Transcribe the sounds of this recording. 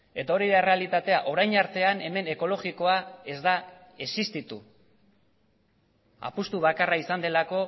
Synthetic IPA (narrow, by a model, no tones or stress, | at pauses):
e̞t̪ao̞ɾiɾere̞alit̪at̪e̞aʔo̞ɾajnaɾt̪e̞ane̞me̞ne̞ko̞lo̞ɣiko̞ae̞zd̪a | esist̪it̪u | a̰pust̪uβ̞akaraisand̪e̞lako̞